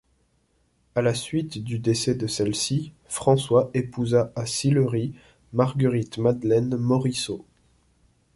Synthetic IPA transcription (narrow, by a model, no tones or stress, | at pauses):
alasɥit̪d̪yd̪esɛd̪əsɛlsi | fχɑ̃swaʔepuzaʔasiləʁi | maʁɡəʁit̪mad̪lɛnmɔʁiso